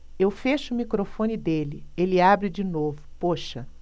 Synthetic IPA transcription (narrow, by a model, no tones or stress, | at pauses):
ewfeʃʊːmikɾofõnid̪elɪelɪabɾɪd͡ʒinovʊpoʃɐ